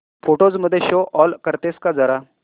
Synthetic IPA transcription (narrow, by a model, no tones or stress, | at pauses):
foʈod͡zməd̪ʱːjeɕoʔɔlkəɾt̪eskad͡zəɾa